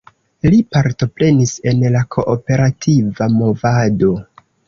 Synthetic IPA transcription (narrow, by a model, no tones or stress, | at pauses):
lipaɾto̞pɾe̞nise̞nlakʰo̞ʔːpe̞ɾatʰivamo̞vado̞